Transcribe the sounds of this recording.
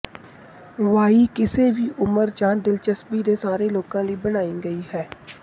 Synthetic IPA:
ʋaːiːkɪseːʋiːʔʊməɾd͡ʒaːnd̪ɪlt͡ʃəsbiːd̪eːsaːɾeloːkãːliːbənaːiːɡəiːhɛː

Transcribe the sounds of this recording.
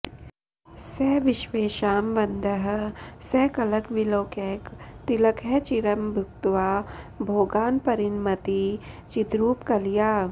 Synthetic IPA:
sɛʋɪʃʋeːʃaːmʋɐnd̪ʱəɦ̆sɛːkɐlɐkʋiloːkɛːkt̪ilɐkʰɛt͡ʃiɾɐmbʱʊkt̪ʋaːbʱoːɡaːnpɐɾinmɐt̪i | t͡ʃit̪ɾuːpkɐlijaː

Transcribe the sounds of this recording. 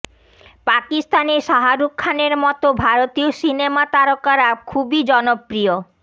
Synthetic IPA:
pakist̪aneɾʃaɦaɾukʰːaneɾmɔt̪obʱaɾot̪iosinemat̪aɾokaɾakʰubid͡ʑɔnopːɾio

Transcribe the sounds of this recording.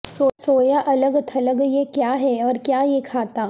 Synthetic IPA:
sosoːjaʔɐləɡt̪ʰɐləɡjekjaːɦɛɔːɾkjaːjekʰaːt̪aː

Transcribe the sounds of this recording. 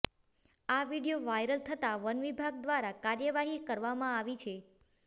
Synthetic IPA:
aʋiɽijoʋajɾəlt̪ʰət̪aʋənʋibʱaɡ̚d̪ʋaɾakaɾjəʋaɦikəɾʋamãaʋit͡ʃʰe

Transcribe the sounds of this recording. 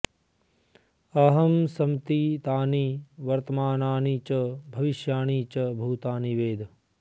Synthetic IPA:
ɐɦɐmsɐmt̪it̪aːniːʋɐɾt̪ɐmaːnaːnit͡ʃɐbʱɐʋiʃjaːɳiːt͡ʃɐbʱuːt̪aːniʋeːd̪ʱ

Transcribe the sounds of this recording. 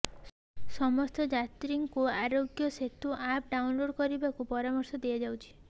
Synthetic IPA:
sɔmɔst̪ɔd͡ʒat̪ɾiŋkuaɾoɡjɔset̪uʔap̚ɖawnloɽkɔɾibakupɔɾamɔɾsɔd̪ead͡ʒawt͡ʃʰi̥

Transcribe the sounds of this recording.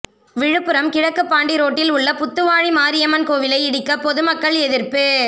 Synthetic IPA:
ʋɪɻɯpːɯɾɐmkɪɻɐkːɯpːaːɳɖiɾoːʈːɪlʊɭːɐpʊt̪ːɯʋaːɻimaːɾɪjɐmɐnkoːʋɪlɐɪɪɽɪkːɐpɔðɯmɐkːɐɭɛðɪɾpɯ

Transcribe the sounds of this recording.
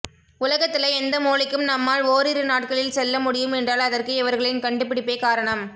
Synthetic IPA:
ʊlɐɣɐt̪ːɪlɐɪɛnd̪ɐmuːlɪkːɯmnɐmːaːɭoːɾɪɾɯnaːʈ̚kɐɭɪlsɛlːɐmʊɽɪjɯmɛndraːlɐðɐrkɯɪʋɐɾɣɐɭɪnkɐɳɖɯpːɪɽɪpːeːkaːɾɐɳɐm

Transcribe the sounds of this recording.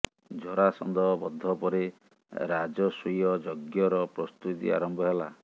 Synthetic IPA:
d͡ʒɔɾasɔ̰nd̪ɔɦɔbɔd̪ʱːɔpɔɾe | ɾad͡ʒɔsujɔd͡ʒɔɡjɔɾɔpɾɔst̪ut̪ḭa̰ɾɔmbʱɔɦela

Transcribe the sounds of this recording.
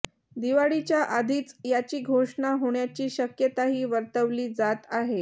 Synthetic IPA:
d̪iʋaɽit͡ɕjaʔad̪ʱiːt͡sjat͡ɕiːɡʱoʂɳaɦoɳjat͡ɕiːɕəkjət̪aɦiːʋəɾt̪əʋliːd͡zat̪aɦe

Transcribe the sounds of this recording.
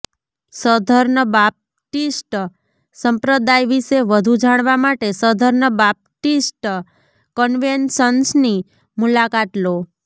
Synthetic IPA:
səd̪ʱəɾɳəbap̚ | ʈisʈ | səmpɾəd̪ajʋiʃeʋəd̪ʱud͡ʒaɽ̃ʋamaʈesəd̪ʱəɾɳəbap̚ʈisʈ | kənʋenʃənsni | mulakat̪lo

